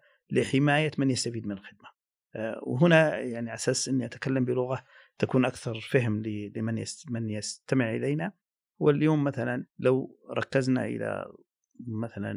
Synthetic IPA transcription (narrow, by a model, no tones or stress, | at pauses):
lɪħɪmaːjamɪnjast̪afiːd̪mɪnɪlxɪd̪̚ma | wɦʊnajaʕniʕasaːsʔɪnːiʔat̪kalːambɪlʊɣa | t̪akuːnʔakθɑɾˤfaɦmlɪlmɪnja̰mɪnjɪst̪amɪʕʔɪ̰leːna | wɪljoːmːaθalanlawɾˤɑkːɪzna̰ʔɪ̰la̰ | maθala̰n